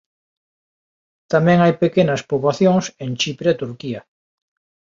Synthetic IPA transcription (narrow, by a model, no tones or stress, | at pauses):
t̪amẽŋajpekenaspoβlaθjoŋsẽnt͡ʃipɾeet̪uɾkia